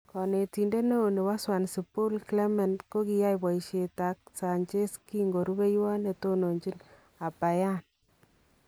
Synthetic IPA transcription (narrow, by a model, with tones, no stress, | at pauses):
kɔ˨ne˨ti˨nde˦no˦o˨ne˨wa˦swa˨nsi˨po˦lkle˦mɛ˨ndko˦ki˨ja˦jpa˨i˨ʃe˨ta˨˦k̚sa˨ɲt͡ʃe˦ski˦ŋɡo˨ɾu˦be˦jwa˦ne˨to˦no˨ɲt͡ʃi˦n | a˨pa˨ja˦n